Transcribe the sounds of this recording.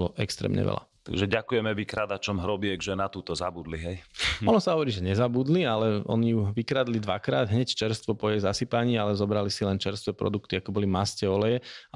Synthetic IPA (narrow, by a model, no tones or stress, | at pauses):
lɔʔɛ̰kst̪ɾɛ̰ːmɲɛ̰ʋɛ̰la̰t̪a̰ɡʒɛɟakujɛmɛʋikɾad̪at͡ʃɔmɦɾɔbiɛɡʒɛnat̪uːt̪ɔzabud̪liɦɛjɔnɔsaɦɔʋɔɾiːʒɛɲɛzabuːd̪lialɛɔ̰nijuʋikɾad̪lid̪ʋakɾa̰ːd̪ɦɲɛct͡ʃɛɾst̪ʋɔpɔjɛzasipaɲiːalɛzɔbɾalisilɛnt͡ʃɛɾst̪ʋɛpɾɔ̰d̪ukt̪iakɔbɔlimascɛɔlɛjɛa